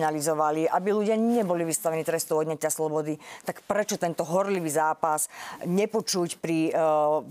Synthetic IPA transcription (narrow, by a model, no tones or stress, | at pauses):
nalizɔʋaliabiluɟɪaɲɛbɔliʋist̪aʋɛnit̪ɾɛst̪ɔʊɔd̪ɲɛcaslɔbɔd̪it̪akpɾɛt͡ʃɔt̪ɛnt̪ɔɦɔɾliʋizaːpasɲɛpɔt͡ʃucpɾi